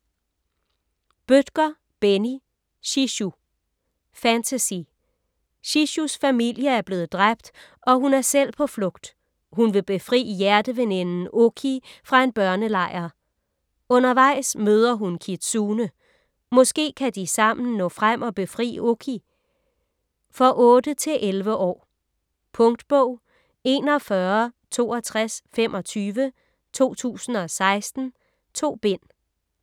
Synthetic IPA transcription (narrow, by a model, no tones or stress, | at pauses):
b̥ød̥ɡ̥ɐ | b̥eni | ɕiɕu | fænt͡sʰæsḭ | ɕiɕusfæmil̰jəæɐb̥le̝ːð̞̩ˠd̥ʁab̥̚d̥ | ʔɒ̽ɦunæɐsel̰pʰɒ̽flɔ̽ɡ̥̚d̥ | hunʋe̝b̥e̝fʁḭːəjæɐd̥əʋenenn̩ʔokʰifʁɑ̈e̝nb̥ɶɐnəlɑ̈ɪ̰ɐ | ɔ̽nɐʋɑ̈ɪ̰smøːð̞ˠɐɦunkʰid̥suːnə | mɔ̽sɡ̥e̝̰ːkʰæd̥isɑ̈m̰n̩nɔ̰̽ːfʁam̰ʔɒ̽b̥e̝fʁḭːokʰi | fɒ̽ʔɔ̽ːd̥ət͡sʰe̝lʔelʋəʔɒ̰ː | pʰɔ̽ŋd̥b̥ɔʊ̰ | e̝ːnɒ̽fɶɐt͡sʰo̝̰ːɒt͡sʰʁasfem̰ʔɒ̽t͡sʰyːʋə | t͡sʰo̝̰ːt͡sʰṵːsn̩ɒ̽sɑ̈ɪsd̥n̩ | t͡sʰo̝̰ːb̥e̝n̰